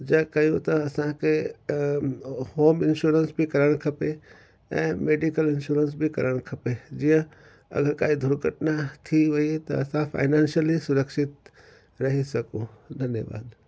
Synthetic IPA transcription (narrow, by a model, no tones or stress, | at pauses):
d͡ʒɐkɐjũt̪ɐɐsãke | hoːmɪnʃuːɾənsbʱikɐɾəɽ̃kʰɐpe | ɛ̰̃ːmeːɖikəlɪnʃuːɾəns̬bʱikɐ̰ɾəɽ̃kʰɐped͡ʒijə̃ | ɐ̰ɡəɾkaːid̪ʱʊɾɡʱəʈnat̪ʰiʋɐit̪ɐ̰ɐsãpʰa̰ːɪnãːnʃəlɦisʊɾəkʃɪt̪̚ | ɾɐɦisɐkũd̪ʱɐnjəʋa̰ːd̪